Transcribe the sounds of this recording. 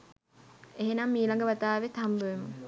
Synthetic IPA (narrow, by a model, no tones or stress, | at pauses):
eɦenamːiːlɐŋɡəʋat̪aːʋet̪ambəʋemu